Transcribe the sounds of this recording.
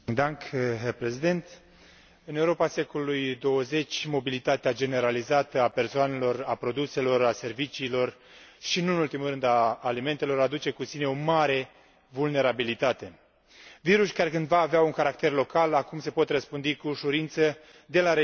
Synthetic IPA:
d̪aŋkɦerpɾezid̪e̞nt̪ | ɨneuɾo̞pase̞ko̞lulujd̪o̞wəze̞t͡ʃʲmo̞bilit̪at̪ead͡ʒe̞ne̞ɾalizat̪əape̞rsoane̞lo̞rapɾo̞d̪use̞lo̞ɾase̞rvit͡ʃiːlo̞r | ʃinuɨnult̪imulɾɨnd̪aːlime̞nt̪e̞lo̞ɾad̪ut͡ʃe̞kusine̞o̞maɾe̞ | vulne̞ɾabilit̪at̪e̞ | viɾuʃkaɾe̞kɨnd̪vaːveauŋkaɾak̚t̪e̞rlo̞kalakumse̞po̞t̪rəspɨnd̪ikuʃuɾint̪sə | d̪e̞laɾe

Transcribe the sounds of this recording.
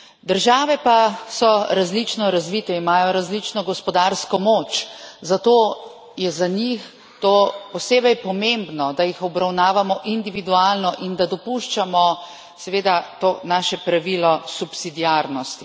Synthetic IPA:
d̪əɾʒaːʋɛpasɔɾazlit͡ʃnɔɾazʋit̪ɛimaːjɔɾazlit͡ʃnɔɡɔspɔd̪aɾskɔmoːt͡ʃzat̪oː | jɛzaɲix | t̪opɔseːbɛjpɔmembnɔd̪ajixɔbɾawnaːʋamɔʔind̪iʋid̪ualnɔʔind̪ad̪ɔpuʃt͡ʃamɔ | sɛʋeːd̪at̪oːnaːʃɛpɾaʋilɔsupsid̪iaɾnɔst̪i

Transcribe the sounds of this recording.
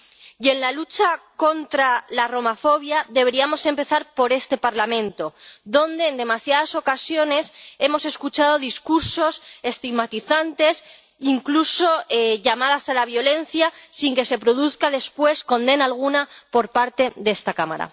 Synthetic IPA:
je̞nlalut͡ʃako̞nt̪ɾalaro̞mafo̞βjaðe̞β̞e̞ɾiamo̞se̞mpe̞θaɾpo̞ɾe̞st̪e̞paɾlamẽ̞nt̪o̞ðo̞nd̪e̞ːnd̪e̞masjaðaso̞kasjo̞ne̞se̞mo̞se̞skut͡ʃað̞o̞ðiskuɾso̞se̞st̪iɣmat̪iθant̪e̞s | iŋkluso̞eʝamaðasalaβ̞jo̞le̞n̟θjasiŋke̞se̞pɾo̞ðuθkaðe̞spwe̞sko̞nd̪e̞naːlɣ̞unapo̞ɾpaɾt̪e̞ðeest̪akama̰ɾa̰

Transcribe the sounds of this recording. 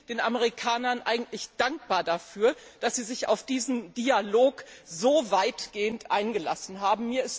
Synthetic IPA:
d̥eːnʔaməʁikʰaːnɐnʔaɪɡŋ̩tlɪçd̥aŋk̚b̥aːɐdafyːɐd̥asz̥iːzɪça̰ʊfd̥iːzn̩dialoːkzoːvaɪtɡ̥eːəntʔaɪnɡəla̰sn̩ɦaːbm̩miːɐɪst

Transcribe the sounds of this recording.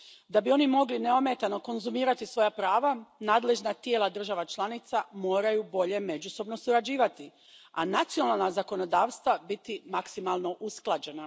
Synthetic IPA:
d̪abio̞nimo̞ɡlineo̞met̪ano̞ko̞nzumiːɾat̪isʋo̞japɾaːʋanaːd̪le̞ʒnat̪je̞ːlad̪r̩ʒaʋat͡ʃlˠanit̪samo̞ːɾajubo̞ʎe̞me̞d͡ʒuso̞bno̞suɾad͡ʒiːʋat̪i | anat̪sijo̞nalˠnazako̞no̞d̪aːʋst̪ʋabit̪imaksimalˠno̞ʔusklˠad͡ʑe̞na

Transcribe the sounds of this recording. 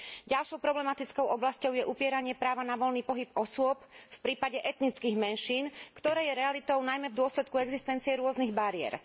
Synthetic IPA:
ɟalʃɔʊpɾɔblɛmat̪it͡skɔʊʔɔblascɔʊjɛʔupɪɛɾaɲɪɛpɾaːʋanaʋɔlniːpɔɦipɔsʊɔp̚fpɾiːpaɟɛʔɛt̪nit͡skiɣmɛnʃiːnkt̪ɔɾɛːjɛɾɛalit̪ɔʊnajmɛvd̪ʊɔslɛt̪̚kuɛɡzist̪ɛnt͡siɛɾʊɔzniɣbaɾiɛ̰ɾ

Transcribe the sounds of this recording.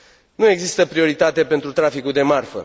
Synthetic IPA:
nue̞ɡzist̪əpɾio̞ɾit̪at̪e̞pe̞nt̪ɾut̪ɾafikuld̪e̞marfə̰

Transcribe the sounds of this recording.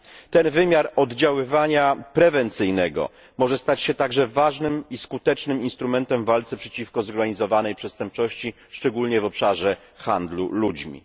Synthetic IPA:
t̪ɛnvɘmʲjaɾɔd̪d͡ʑawɘvaɲapɾɛvɛnt̪sɘjnɛɡɔ̰ | mɔʐɛst̪at͡ɕɕɛt̪aɡʐɛvaʐnɘmiskut̪ɛt͡ʂnɘminst̪ɾumɛnt̪ɛmvalt̪sɛpʂɛt͡ɕifkɔzɔɾɡaɲizɔvanɛjpʂɛst̪ɛmp̚t͡ʂɔɕt͡ɕi | ʂt͡ʂɛɡulɲɛvɔpʂaʐɛ | xand̪lṵlud͡ʑmʲḭ

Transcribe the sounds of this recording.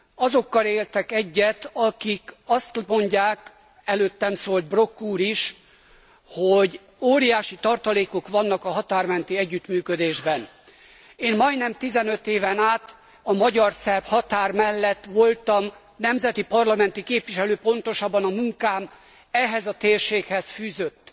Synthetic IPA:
ɒzo̞kːɒleːlt̪ɛkɛɟːɛt̪ɒkikɒst̪mo̞ɲɟaːk | ɛløːt̪ːɛmsoːlt̪̚bro̞kːuːɾiʃ | hoɟ | oːɾijaːʃit̪ɒrt̪ɒleːko̞kʋɒnːɒkɒɦɒt̪aːrmɛnt̪iɛɟːyt̪myːkød̪eːʒbɛn | eːmmɒjnɛmt̪izɛnø̞t̪eːvɛnaːt̪ | ɒmɒɟɒrsɛrphɒt̪aːrmɛlːɛt̪ʋo̞lt̪ɒm | nɛmzɛt̪ipɒrlɒmɛnt̪ikeːpʋiʃɛløːpo̞nt̪o̞ʃɒbːɒnɒmuŋkaːm | ɛɦɛzɒt̪eːrʃeːkhɛsfyːzøt̪ː

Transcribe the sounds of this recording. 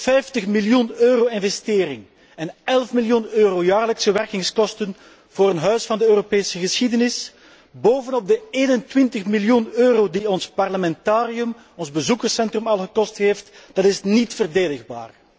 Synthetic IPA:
fɛjftəχmiljunøːroːɪnvɛsteːɾɪŋ | ɛnɛlˠfmiljunøːroːjaːrləksəʋɛrkɪŋskɔstən | v̥oːɾənɦœɥsfɑndəøːropeːsəɣəsxidənɪs | boːvənɔb̚dəeːnəntwɪntəχmiljunøːroːdiɔnspɑrləmɛntaːɾiɵm | ɔnzbəzukərsɛntrɵmɑlˠxɣəkɔstɦeːftd̥ɑtɪsnitfərdeːdəɣba̰ːr

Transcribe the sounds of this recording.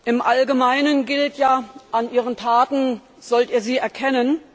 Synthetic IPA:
ʔɪmʔalɡəmaɪnənɡɪltʰjaːʔanʔiːʁ̞əntʰaːtn̩ | z̥ɔltiːɐziːɛɐkʰɛnən

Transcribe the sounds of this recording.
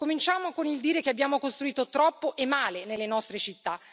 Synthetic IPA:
komint͡ʃaːmokonild̪iːɾekeabːjaːmokost̪ɾuiːt̪ot̪ɾɔpːoʔemːaːlenelːenɔst̪ɾet͡ʃit̪ːa

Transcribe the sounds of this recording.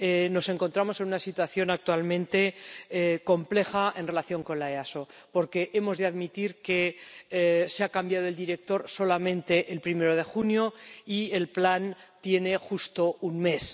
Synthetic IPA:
eno̞se̞ŋko̞nt̪ɾamo̞se̞nunasit̪waθjo̞nak̚t̪walmẽ̞nt̪e̞ | ko̞mple̞xae̞nrelaθjo̞ŋko̞nlaeaso̞po̞ɾke̞ʔe̞mo̞zðeaðmit̪iɾke̞ | seakambjaðo̞e̞ld̪iɾe̞k̚t̪o̞ɾso̞lamẽ̞nt̪e̞ʔːlpɾime̞ɾo̞ð̞e̞xunjo̞ie̞lplan | t̪je̞ne̞xust̪o̞unme̞s

